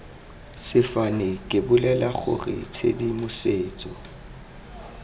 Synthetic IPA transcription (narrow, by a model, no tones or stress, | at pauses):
sɪfanɪkʼɪbʊlɛlaχʊ̰rɪ̰t͡sʰḛdimʊseːt͡sʼɔ